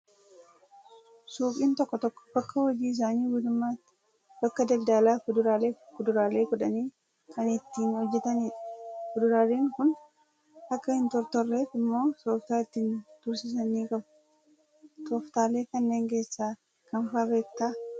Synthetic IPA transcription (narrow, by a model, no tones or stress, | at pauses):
suːpʼiːnt̪ɔkːɔt̪ɔkːɔ̥b̥ɐkːɐwɔd͡ʒiːɪs̬aːniːɡʊd̪ʊmːaː | bɐkːɐd̪ɐld̪aːlaːfʊd̪ʊɾaːleːkʊd̪ʊɾaːle̞ːkʊᶑɐniː | kʰɐnɪt̪ːiːnhɔd͡ʒːɛt̪ɐniːᶑɐ̥fʊd̪ʊɾaːleːŋkʊn | ʔɐkːɐhɪnt̪ɔɾt̪ɔrːe̞ːfɪmːo̞ːsoːft̪aːɪt̪ːiːnd̪̥ʊɾsɪs̬ɐniːkʼɐbʊ | soːft̪aːle̞ːkɐnːeːŋke̞ːsːaː | kɐnfaːbe̞ːkt̪aː